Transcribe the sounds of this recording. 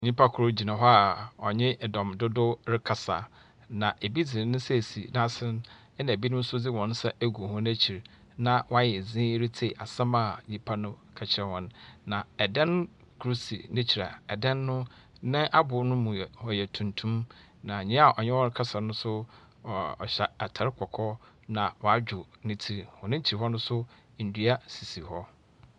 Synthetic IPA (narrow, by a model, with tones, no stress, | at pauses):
ɲĩ˦pʰa˦kʰʊ˨ɾʊ˦d͡ʑi˨nã˨ɦɔ˦a˨ɔ˨ɲɪ̃˦ʔdɔ̃˨m˨dʊ˦dʊ˦ɾɪ˦kʰa˨sa̰˨ | nã˨ʔe˨bi˦d͡zɪ˨ɾɪ˨nʊ̃˦sɛ˦˨si˨nã˦sɪ˦n | ɛ˦nã˨bi˦nʊ̃˦n̩˦sʊ˦d͡zɪ˦wɔ̃˨n˦sɛ˦ʔæ˦ɡu˨hɔ̃˦næ˦t͡ɕʰi˨ɾ | nã˦˨wɔ˦a˦jɛ˨zĩː˦ɾɪ˦tʰe˨ʔa̰˨sã˦ma˨ɲĩ˦pʰa˦nʊ̃˦kʰa˨t͡ɕʰɪ˨ɾɛ˨wɔ̃˨nːã˨ɛ˨dɛ̃˦n˦ | kʰɾu˦sḭ˨nɪ̃˦t͡ɕʰi˨ɾa̰˨ɛ˨dɛ̃˦nːʊ̃˦ | nɪ̃˦ʔa˦bʊ˨˦nʊ̃˦mũ˨hɔ˨jɛ˨tʰũ˨ntʰũ˦m | nã˨ɲɪ̃˦a˨ʔɔ˨ɲɛ˦wɔ˦ɾkʰa˦sa˨nʊ̃˦sʊ˦˨ | ɔ̰˨ɕɛ˨a˨tʰa˨ɾɪ˦kʰɔ˨kʰɔ˦ | nã˨wɔ˨a˦d͡ʑᶣʊ˨nɪ̃˦tʰi˦ɾhɔ̃˨nɪ̃˦ɲ̩˦t͡ɕʰi˨ɾɦɔ˦nʊ̃˦sʊ˦ | n̩˨dɥa˦si˨si˨hɔ˦